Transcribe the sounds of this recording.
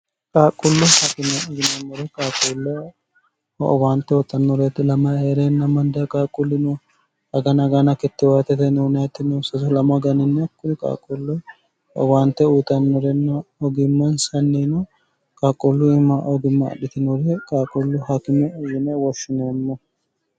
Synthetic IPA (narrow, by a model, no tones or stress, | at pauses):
kʼaːkʼːɔlːʊhakɪmɛɔɡɪnɛmːɔɾɛkʼaːkʼɔlːɔ | waːnt̪ːɛwɔt̪ʼːɐnːɔɾɛt̪ːɪlɐmɐeːɾɛnːɐmɐnd̪ɐkʼaːkʼːʊlːɪnɔ | ɐɡɐnɐɡɐnɐkɪt̪ːɪwaːt̪ɛt̪ɛnɛnjat̪ːɪnɔsɐsɔlɐmɐɡɐnɪnːɛɐkːʊɾɪkʼa̰ːkʼːɔlːɔ | ɔ̰waːnt̪ːɛuːt̪ʼɐnːɔɾɛnːɐɔɡɪmːɐnsɐnːinɔ | kʼaːkʼːɔlːʊɪmːɐʔɔɡɪmːɐ̰ːɗɪt̪ɪnɔɾɛkʼaːkʼɔlːʊhakɪmɛɔɡɪmɛwɔʃːɪnoːmːɔ